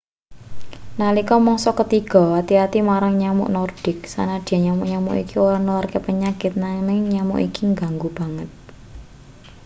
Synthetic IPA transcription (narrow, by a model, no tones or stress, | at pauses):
nalikɔmɔŋsɔkət̪iɡ̥ɔ̤wat̪iat̪imaɾaŋɲamʊ̰ʔnɔrd̥ɪ̤ksa̰nad̥a̤ɲamʊʔɲamṵʔḭkioɾanularkepəɲakɪt̪̚naŋnɪŋɲamṵʔikiŋɡaŋɡub̥a̤ŋət̪̚